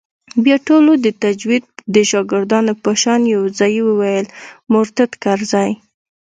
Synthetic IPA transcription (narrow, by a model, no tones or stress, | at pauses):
bjɑʈolod̪ət̪ad͡ʒwid̪̚d̪əʃɑɡɪɾd̪ɑnopəʃɑnjawzɑjiwəwajəlmʊɾt̪at̪kaɾzɑj